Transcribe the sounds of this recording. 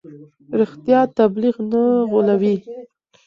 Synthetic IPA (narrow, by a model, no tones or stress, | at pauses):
ɾixt̪jɑt̪abliɣnaɣolawi